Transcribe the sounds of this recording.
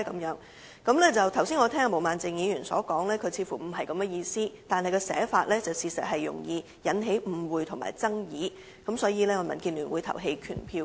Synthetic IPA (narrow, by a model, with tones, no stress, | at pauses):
kɐ˨˧˥mjœː˨˥ŋ | kɐ˨˥mlɛː˥t͡sɐ˨wt̪ʰɐ˨˩wsiː˥nŋɔ˨˧t̪ʰɛː˥ŋa˧mo˨˩wmaː˨nt͡sɪ˨˧ŋjiː˨˧jyː˨˩nsɔː˨˥kɔː˨˥ŋlɛː˥kʰɵ˨˧ɥt͡sʰiː˧fuː˨˩m̩˨˩ɦɐ˨jkɐ˨˧mɛ˥jiː˧siː˥t̪aː˨nɦɐ˨jkɔː˧sɛ̰ː˨˥faː˧t̚lɛː˥t͡sɐ˨wsiː˧sɐ̰˨t̚ɦɐ˨jːʊ̰˨˩ŋjiː˧ | jɐ˨˥nɦe˨˥jm̩˨˧wuː˨jt̪ʰʊ˨˩ma̰ː˨˩jt͡sɐ˥ŋjiː˨˧˥ | kɐ˨˥msɔː˨˥jiː˨lɛː˥ŋɔː˧mɐ˨˩nkiː˧nlyː˨˩nwuː˨˧jt̪ʰɐ̰˨˩wɦe˧jkʰy̰ː˨˩npʰiː˧w